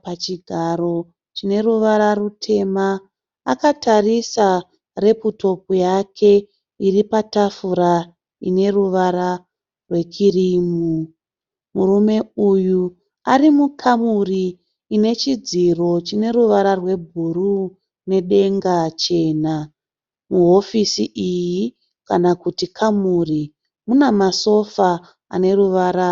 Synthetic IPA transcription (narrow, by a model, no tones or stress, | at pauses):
pat͡ʃiɡʱaɾo̞ | t͡ʃine̞ruʋaɾarutʰe̞maː | katarisa | re̞puto̞pujakʰe̞ | iripatafuɾa | ḭne̞ruʋaɾa | rwe̞kiriːmu | murume̞uju | arimukʰamuriː | ne̞t͡ʃid͡ziro̞t͡ʃine̞ruʋaɾarwe̞bʱuru | ne̞ɗe̞ŋɡat͡ʃe̞ːna | muɦo̞fisiʔiji | kanakutikʰamuri | munamaso̞fa | a̰ne̞ruʋaɾa